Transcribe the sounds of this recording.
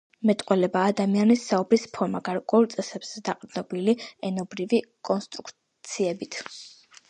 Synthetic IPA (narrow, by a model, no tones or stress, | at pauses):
mɛt̪ʼqʼwɛlɛbaːd̪amianisːaubɾispʰɔɾmaɡaɾkʼwɛulˠt̪sʼɛsɛbz̥ɛd̪aqʼd̪nɔbiliɛnɔbɾivikʼɔnst̪ʼɾukʰ | t̪sʰiɛbit̪ʰ